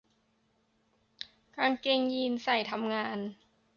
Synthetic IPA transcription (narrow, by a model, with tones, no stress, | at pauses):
kaː˧ŋke˧ŋji˧nsa˨˩jt̪ʰa˧mŋaː˧n